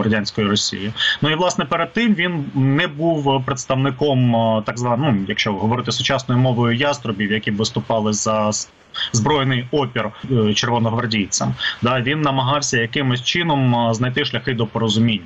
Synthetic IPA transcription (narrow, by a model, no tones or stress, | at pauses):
rɐdʲanʲsʲkɔjʊɾɔsʲḭjɪnuiʋlˠɑsnɛpeɾed̪̚t̪ɪmʋʲinnɛbuwpɾet̪st̪ɐʋnɪkɔmt̪ɑɡzʋɑnujɐkʃt͡ʃɔɦɔʋɔɾɪt̪ɪsʊt͡ʃɑsnɔjʊmɔʋɔjʊjɑst̪ɾɔbʲiwjɐkʲibʋɪst̪ʊpɑlˠɪzɐ | zbɾɔjnɪjɔpʲirt͡ʃerʋɔnɔɦʋɐrdʲijt͡sʲɐmd̪aʋʲinːɐmɐɦɑwsʲɐjɐkɪmɪsʲt͡ʃɪnɔmznɐjt̪ɪʃlʲɐxɪd̪ɔpɔɾɔzʊmʲinʲːɐ